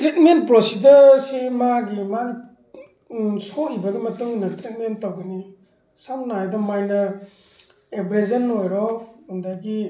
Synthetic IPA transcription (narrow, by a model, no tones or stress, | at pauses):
tɾit̚ment̚pɾosidəsimaɡiman | sɔʔibaɡimɐtuŋnɐtɾit̚mentawɡɯni | samnaajdɔmajnɐ | ebɾezɐnːojɾɔhundajɡi